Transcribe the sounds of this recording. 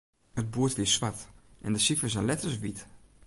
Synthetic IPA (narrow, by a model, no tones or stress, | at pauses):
həd̚buətʋliəsʋatʔɛ̰ndəsifəsɛnlɛtəɹsʋit